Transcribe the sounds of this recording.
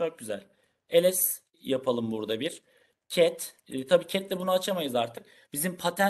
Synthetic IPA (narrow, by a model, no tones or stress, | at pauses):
øɾt̪̚ɟyzæ̰lʲ | e̞lʲɛs | japʰalˠɯmbuɾd̪abiɾ̥ | cʰɛt̪ː | t̪ʰabiːcʰɛt̪lʲɛbunaat͡ʃʰamajɯzaɾt̪ʰɯk̚ | bizimpʰat̪ʰæ